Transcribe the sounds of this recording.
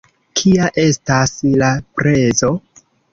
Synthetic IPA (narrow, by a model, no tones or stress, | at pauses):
kʰiaʔe̞staslapɾe̞zo̞